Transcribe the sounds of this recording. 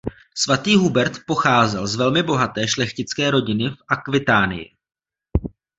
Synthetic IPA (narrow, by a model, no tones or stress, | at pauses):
svat̪iːɦubɛɾt̪po̞xaːzɛlzvɛlmɪbo̞ɦat̪ɛːʃlɛxcɪt͡skɛːɾo̞ɟɪnɪfʔakvɪt̪aːnɪ̰jɪ̰